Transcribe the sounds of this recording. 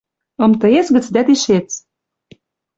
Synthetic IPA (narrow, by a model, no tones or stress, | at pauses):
ɤ̆mt̪ɤ̆et͡sɣə̆t͡sd̪æt̪iʃet͡s